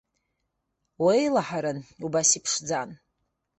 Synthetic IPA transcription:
wejlaħaɾanubasipʰʂd͡zan

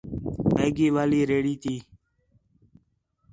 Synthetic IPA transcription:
meːɡiːʋaːliːɾeːɽiːt̪ʰiː

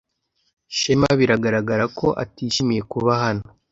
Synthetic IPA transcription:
ʃemaβiɾaɡaɾaɡaɾakʰo̞ʔa̰tiːʃimije̞kuβahano

